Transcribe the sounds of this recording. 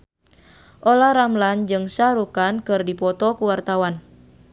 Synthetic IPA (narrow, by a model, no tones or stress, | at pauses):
ʔolaɾamland͡ʒɨŋsaɾukankɨrdipɔt̪ɔkuwart̪awan